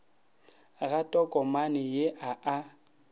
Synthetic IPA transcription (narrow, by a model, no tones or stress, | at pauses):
ɣatʼɔkʼɔmanɪjeʔaʔa